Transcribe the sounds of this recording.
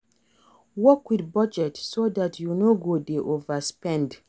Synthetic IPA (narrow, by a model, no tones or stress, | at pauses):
wɔkwidbad͡ʒɛtsodatʰjunoɡodeʔovaspɛ̃nd